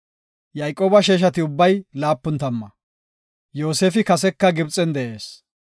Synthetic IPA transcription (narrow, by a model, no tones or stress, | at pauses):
jɐjkʼoːbɐʃeːʃ̬ɐt̪ɪʊbːɐjlaːpːʊnt̪ɐmːɐ | joːseːfɪkɐsɛkːɐɡɪbt͡sʼːɛnd̪ɛʔe̞ːs